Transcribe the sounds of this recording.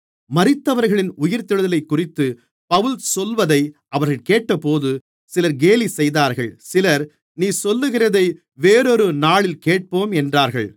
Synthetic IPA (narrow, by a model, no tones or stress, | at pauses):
mɐrɪt̪ːɐʋɐɾɣɐɭɪnʊjɪɾt̪ːɪɻɯðɐlɐɪkːʊrɪt̪ːɯ | pɐʋɯlsɔlʋɐðɐɪʔɐʋɐɾɣɐɭkeːʈːɐpoːðɯ | sɪlɐɾɡeːlisɛjðaːɾɣɐɭsɪlɐɾ | niːsɔlːɯɣɪrɐðɐɪ | ʋeːɾɔɾɯnaːɭɪlkeːʈ̚poːmɛndraːɾɣɐɭ